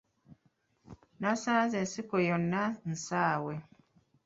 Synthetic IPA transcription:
nasãzɛsikojɔnːan̩saːwɛ

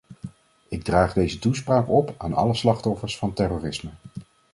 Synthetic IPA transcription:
ɪɡ̚draːχdejzətuspraːkɔpa̰ːnɑ̰ləslɑχtɔfəɹsfɑntɛroːrɪsmə

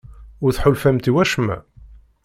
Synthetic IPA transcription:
ʊɾθħʊlfæmt̪iwæʃmæ̰

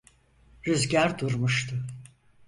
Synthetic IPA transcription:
ɾyzɟæɾd̪uɾmuʃt̪ʰʊ

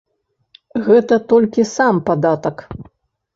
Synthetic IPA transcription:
ɣɛt̪ɐt̪ɔlʲkʲisampad̪at̪ɐk

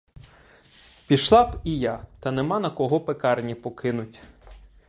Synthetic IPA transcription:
pʲiʃlˠɑpijɑt̪ɐnemɑnɐkɔɦɔpekɑrnʲipɔkɪnʊtʲ

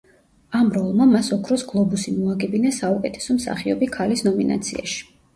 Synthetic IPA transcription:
amɾɔlˠmamasɔkʰɾɔsɡlˠɔbusimɔaɡɛbinasaukʼɛt̪ʰɛ̥sɔmsa̰χiɔbikʰalisnɔmina̰t̪sʰia̰ʃi̥

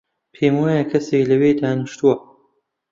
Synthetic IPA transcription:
pʰeːmwaːjɐkʰɐseːklɐweːd̪aːnɨʃt̪uwɐ

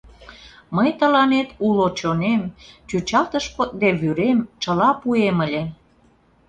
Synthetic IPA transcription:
məjt̪ə̆lɑnet̪ulot͡ɕonemt͡ɕut͡ɕɑlt̪əʃpok̪̚d̪eβyɾemt͡ɕə̆lɑpueməlʲe

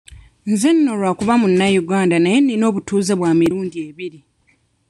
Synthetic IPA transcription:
nzenːo̞lwakuβamunːajuɡaːndanaje̞nːino̞ːβutuːzeβwaːmiɾuːndie̞βiɾi

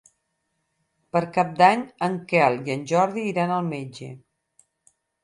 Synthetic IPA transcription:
pəɾkap̚d̪aɲəŋkɛlˠiənʲʒɔɾðiːɾanəlˠmed͡ʒḛ

